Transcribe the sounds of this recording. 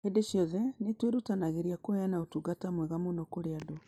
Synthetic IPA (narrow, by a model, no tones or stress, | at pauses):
hedeʃjɔðɛnetweɾutanaɣeɾiakoejanaotuɡatamwɛɣamonokoɾeado